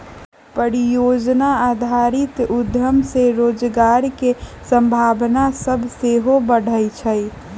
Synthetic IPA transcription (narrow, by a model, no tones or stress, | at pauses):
pəɾijoːd͡ʒnaaːd̪ʱaɾɪt̪ʊd̪ʱjəmseɾoːd͡ʒɡaːɾkesə̃mbʱaːbnasəbʱseɦobəɽ̤əjt͡ʃʰəj